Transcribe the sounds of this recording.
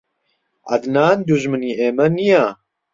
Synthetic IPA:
ʔɐ̰d̪naːnd̪uʒmɨniːeːmɐnija

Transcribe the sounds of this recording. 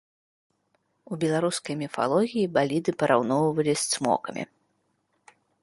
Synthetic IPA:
ubʲɛlˠaɾuskɐjmʲifa̰lˠɔɣʲijibalʲid̪ɨpɐɾawnɔwvɐlʲisʲt̪smɔ̰kɐmʲḭ

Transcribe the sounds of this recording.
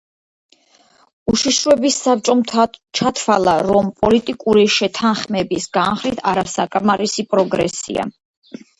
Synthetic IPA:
uʃiʃɾɔɛbisːap̚t͡ʃʼɔt͡ʃʰat̪ʰwalˠaɾɔmpʼɔlit̪ʼikʼuɾiʃɛt̪ʰanχmɛbisɡanχɾit̪ʰaɾasakʼmaɾisipʼɾɔɡɾɛsḭa̰

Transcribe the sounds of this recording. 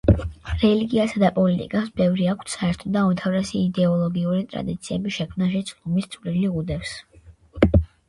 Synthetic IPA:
ɾɛliɡiasad̪apʼɔlit̪ʼḭkʼasbɛvɾiakʰt̪ʰsaɛɾt̪ʰɔd̪aumt̪ʰavɾɛsiːd̪ɛɔlˠɔɡiuɾit̪ʼɾa̰d̪it̪sʰiɛbiʃɛkʰmnaʃ̬ɛt̪sʰlumist̪sʼvliliʁud̪ɛfs

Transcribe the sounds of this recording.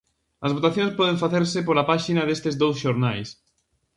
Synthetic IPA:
ɐzβ̞ot̪aθjõŋspɔð̞ẽɱfaθeɾsɪp̬olapaʃinɐðest̪ezðowsʃoɾnajs

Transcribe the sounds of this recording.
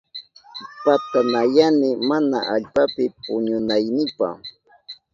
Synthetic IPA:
pat̪anajanɪmanaʔaʎpapɪpʊɲʊnajnɪjpa̰

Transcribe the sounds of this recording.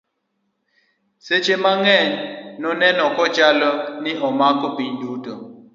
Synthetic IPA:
set͡ʃʰemaŋɛnnɔnɛnɔkɔt͡ʃalɔniʔɔmakʼɔbindʱuːtɔ

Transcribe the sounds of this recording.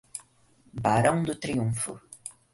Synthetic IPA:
baɾɐ̃w̃d̪ʊt̪ɾiũfʊ̰

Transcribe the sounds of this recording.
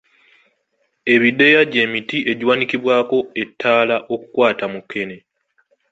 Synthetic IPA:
e̞βide̞jaɟe̞ːmitiʔe̞ɟwanikiβwaːko̞e̞tːaːlaʔo̞kukwaːtamukːe̞ne̞

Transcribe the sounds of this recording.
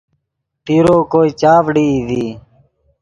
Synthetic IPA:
ʈiɾoːkoːiːt͡ʃaːʋɽiːd̪iː

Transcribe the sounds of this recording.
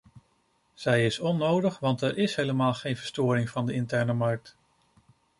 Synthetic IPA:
z̥ɛjɪsɔnːowdəχʋɑntɛɹʔɪsɦejləmaːlˠχejnv̥əɹstʊːɾɪŋvɑndəɪntɛɹnəmɑɹk̚t

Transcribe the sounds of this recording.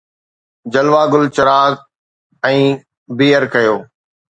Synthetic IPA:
d͡ʑɐlʋaːɡʊlt͡ɕɐɾaːz | ɛ̃ː | biːəɾkɐjoː

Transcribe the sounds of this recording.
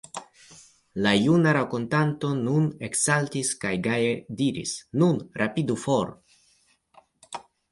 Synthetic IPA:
lajunaɾako̞ntanto̞nune̞ksaltiskajɡajediɾḭsnunɾʔapidufoɾ

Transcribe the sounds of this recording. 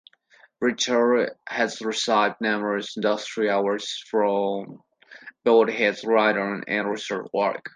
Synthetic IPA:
ɹɪt͡ʃə˞dhɨzɹɨsaɪvdⁿnɛmə˞ɨzɪ̃ndʌstɹ̥ialə˞z̥fɹʌ̃m | b̥oʊdhɛdzɹaɪɾə̃˞nɨ̰̃nɹɪsə̰˞wɔ̰ɹk

